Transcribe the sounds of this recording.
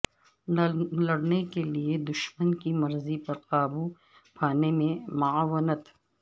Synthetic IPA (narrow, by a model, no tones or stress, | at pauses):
lɐɽnekelied̪ʊʃmənkimɐɾzipɐɾqaːbu | pʰaːnemẽmɐawənət̪